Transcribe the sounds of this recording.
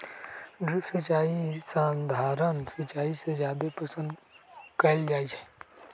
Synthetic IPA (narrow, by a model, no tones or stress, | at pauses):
ɖɾɪsət͡ʃaːisãːnd̪ʱaːɾənsɐt͡ʃaːisezjaːd̪epəsə̃nd̪kəɪld͡ʒaːiɛː